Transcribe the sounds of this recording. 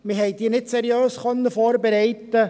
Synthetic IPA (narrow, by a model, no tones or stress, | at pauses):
mɪɦɛɪdiːnɪtsɛɾjøːsχœnːəfoːɾbɛɾɛɪt̪ːə